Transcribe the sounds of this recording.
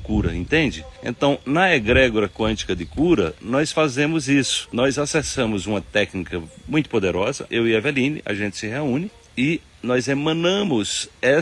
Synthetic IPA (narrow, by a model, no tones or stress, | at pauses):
kuɾɐ̰ḛ̃t̪ẽnd͡ʒɪḛ̃nt̪ɐ̃w̃nɐeɡɾɛɡoɾɐkwɐ̃nt͡ʃi̥kɐd̪ɪkuɾɐ̰nɔsfazẽmʊzisʊ̥nɔjzasɛsɐ̃mʊzũmɐt̪ɛknikɐmũj̃t̪ʊ̥pod̪eɾɔzɐ̰ʔewiɐvelĩnɪ̰ʔɐ̰ʒẽnt͡ʃ̪ɪ̥sɪheũnɪ | ɪ | nɔjzemɐ̃nɐ̃mʊzɛ